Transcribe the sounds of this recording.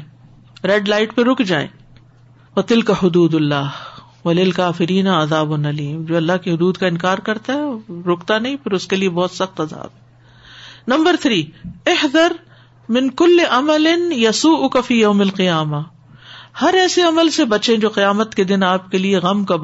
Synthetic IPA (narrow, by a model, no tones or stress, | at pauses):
ɾɛːɖlaːɪʈpeɾʊkʰd͡ʒaːḛ̃ː | ʋɐt̪ɪlkahʊd̪uːd̪ʊlːaːh | ʋɐlɪlkaːfɪɾiːnaɐzaːbʊnɐliːmd͡ʒoːɐlːaɦkiɦʊd̪uːd̪kaɪ̃nkaːɾkɐɾt̪aɦɛɾʊkt̪anɐɦĩpʰɪɾʊskeliebɔːt̪sɐxt̪ɐza̰ːbɦɛː | nɐ̃mbəɾt̪ʰɾiːɪhd̪ɐɾ | mɪ̃nkʊlːɪʔɐmɐlɪnjɐsuːʔʊkafiːjɐʊmɐlqijaːma | hɐɾɛːseɐməlsebɐt͡ʃẽd͡ʒoːqɪjaːmət̪ked̪ɪnaːpkelieɣɐmkab